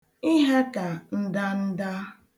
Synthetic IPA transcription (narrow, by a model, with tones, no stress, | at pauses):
i˦ɦe˦ka˨n̩˦da˦n̩˦da˦